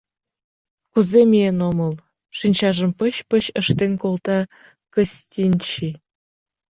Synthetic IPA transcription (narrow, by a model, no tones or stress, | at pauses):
kuzemʲienomɤlˠ | ʃinʲt͡ɕɑʒə̆mpə̆ɕpə̆ɕəʃt̪enkolt̪ɑ | kə̆sʲtʲinʲt͡ɕi